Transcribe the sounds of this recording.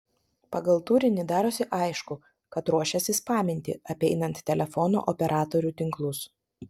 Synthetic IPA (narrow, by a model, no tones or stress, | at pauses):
pɐɡɐlˠt̪uːɾʲɪnʲɪd̪ɑːɾoːsʲɪʔɐɪʃkʊ | kɐt̪ɾuɔʃʲɛsʲɪspɑːmʲɪnʲt̪ʲɪ̰ɐpʲɛɪnɐnt̪ːʲɛlʲɛfɔno̰ːʔɔpʲɛɾʔɑːt̪oɾʲuːt̪ʲɪŋklˠʊs